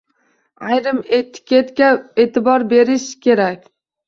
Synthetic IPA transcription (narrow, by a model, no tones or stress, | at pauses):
ajɾɪmet̪kʲʰet̪kʲaet̪ɪbɒɾbe̞ɾɪʃkʲʰe̞ɾakʲ